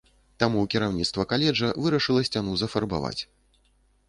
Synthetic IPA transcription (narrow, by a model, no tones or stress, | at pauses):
t̪amuwkʲiɾawnʲit̪st̪vɐkalʲɛd͡ʐɐvɨɾɐʂɨlˠɐsʲt͡sʲanuzɐfɐrba̰va̰t͡sʲ